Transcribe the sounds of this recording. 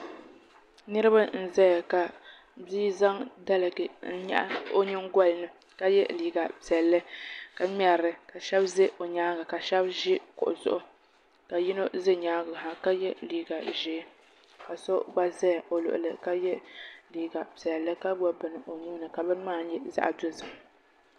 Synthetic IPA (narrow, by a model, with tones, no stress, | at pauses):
nɨ˦ɾɨ˦ba˦n̩˦˨zɛ˦ja˨ka˨ | biː˦za˦ŋda˦lɨ˨ɡɨ˨n̩˦ɲɛ̰˦ʔa̰˦o˦ɲɨ˦ŋɡɔ˦lnɨ˨ | ka˦jɛ˦liː˨ɡa˨pi˨ɛ˨lːɨ˦ka˨m˦a˨ɾɨ˨ka˨ʃɛ˦bzɪ˦ʔo˨ɲaː˦ɡa˨ka˨ʃɛ˦bʒɪ˦kʊ̰˨ʔʊ˨zʊ̰˦ʔʊ˦ | ka˨ji˦no˦zɨ˦ɲaː˦ɡʊ˨ɦa˨ka˦jɛ˦liː˨ɡa˨ʒɪ˨˦ | ka˨so˦ba˦zɛ˦jo˨lʊ̰˨ʔʊ̰˨lɨ˨ka˦jɛ˦liː˨ɡa˨pi˨ɛ˨lːɨ˦ka˦ba˦bɨ˨nɨ˨ʔo˨ɲu˦nɨ˨ka˨bɨ˦n˦maː˦˨˦jɛ˦za̰˦ʔa˨do˦zɨ˨m